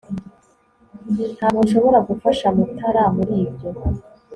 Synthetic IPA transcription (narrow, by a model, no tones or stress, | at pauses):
nhaːmunʃo̞βo̞ɾaɡufaʃamutʰaɾamuɾiːbjo̞